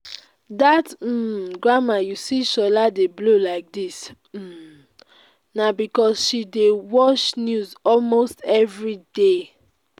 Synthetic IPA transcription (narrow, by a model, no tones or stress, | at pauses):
datm̩ɡɹamajusiʃɔladeblolaɪk̚dis | m̩ | nabikɔsʃidewɔt͡ʃnjuzɔlmostɛvɹide